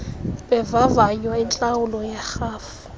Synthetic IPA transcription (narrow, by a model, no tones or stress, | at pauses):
bɛvavaɲwaɪnt͡ɬʼaʊlɔjaχaːfʊ̥